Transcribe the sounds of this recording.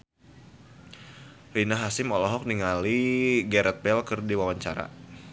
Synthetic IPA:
rinaɦasɪmɔlɔɦɔk̚niŋaliɡɛɾɛt̪̚bɛlkərdiwawaɲt͡ʃaɾa̰

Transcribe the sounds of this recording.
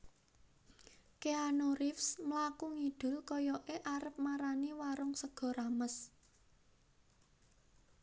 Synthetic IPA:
keanoɾɪfsməlakuŋiɖ̥ʊ̤lkɔjɔʔeʔaɾəp̚maɾaniwaɾʊŋsəɡ̥ɔ̤ɾaməs

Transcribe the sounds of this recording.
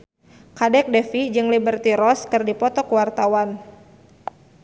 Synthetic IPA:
kadɛk̚dɛfid͡ʒɨŋlibərt̪iɾɔskɨrdipɔt̪ɔkəwart̪awan

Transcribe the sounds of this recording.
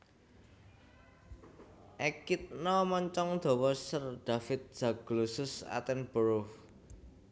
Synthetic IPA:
ʔɛkit̪̚nɔmɔɲt͡ʃɔŋd̪̥ɔ̤wɔsərd̪̥ä̤fɪt̪̚z̥a̤ɡ̥lusʊsa̰t̪ɛnb̥ɔɾof

